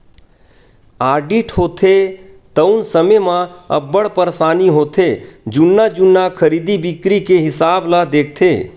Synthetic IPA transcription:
aːɾɖiʈɦoːt̪ʰet̪əʊnsəmemãə̰bːəɽpəɾsaːniɦoːt̪ʰed͡ʒʊnːad͡ʒʊnːakʰəɾiːd̪ibɪkɾikeɦɪsaːblad̪eːk̚ʰt̪ʰeː

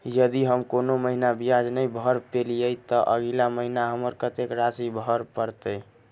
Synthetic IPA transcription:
jəd̪iɦəmkonoməɦinabijad͡ʒnəjbʱəɾpelijət̪ɔʔəɡilaməɦinaɦəməɾkət̪ekɾasibʱəɾpəɾt̪ə

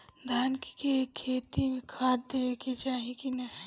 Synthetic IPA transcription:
d̪ʱaːnki̥kekʰːeːt̪imẽkʰaːtd̪eʋeket͡ʃaːɦikinɐɦ

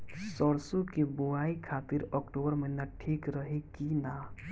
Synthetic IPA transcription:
sɔɽsõkibʊaːikʰaːt̪ɪɾɔːkʈoːbəɾməɦinaʈʰiːkɾəɦekinaː

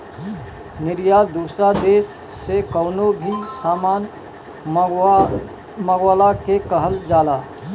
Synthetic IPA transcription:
nɪɾjaːd̪uːsɾad̪eːsː | ekəːnobʱisaːmaːn | məɡwaːlakekəɦəld͡ʒaːlaː

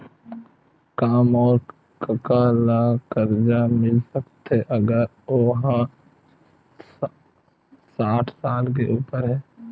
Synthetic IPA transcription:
kaːmɔːɾ | kəkalakəɾd͡ʒamɪlsəkt̪ɛʔəɡəɾ | oɦa | saːʈʰsaːlk̬eʔuːpəɾɦɛː

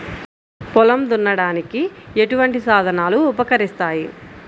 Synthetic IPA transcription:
pɔlɐmd̪unːɐɽaːnikieʈuʋɐɳʈisaːd̪ʱɐnaːluːpɐkɐɾist̪aːji

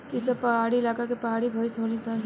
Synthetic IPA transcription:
isʌpʌɦaɽilakakepəɦaɽibʱʌjsɦonet͡sʰʌn

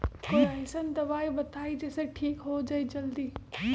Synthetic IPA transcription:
koɐɦɪsən̆d̪ɐbaːibɐt̪ʰaːid͡ʒɐːseʈʰiːkɦod͡ʒaid͡ʒɐld̪iː

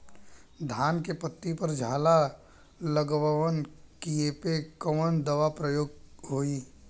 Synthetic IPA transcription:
d̪ʱaːnkepət̪ːipɐɾd͡ʒʱaːla | ləɡʋʋənkiepekəmənd̪ɐʋapɾəjoːɡ̚ɦoːiː

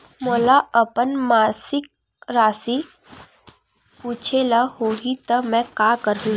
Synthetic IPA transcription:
molaəpənmaːsɪk̚ | ɾaːsi | puːt͡ʃʰelahoɦit̪əmɛ̃kaːkəɾɦũ

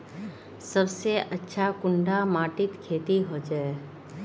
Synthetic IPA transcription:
səbseʔətːʃʰakʊɳɖamaːʈɪt̪kʰeːt̪iɦod͡ʒaːe

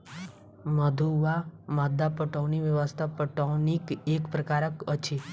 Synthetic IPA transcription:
məd̪ʱuʋamad̪apəʈoʋniʋjəʋəst̪ʰapəʈɔnikekpɾəkaɾəkət͡ʃʰe

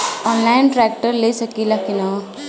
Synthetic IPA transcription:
ɔːnlaːɪnʈɾɛːk̚ʈəɾlesɐkilakina

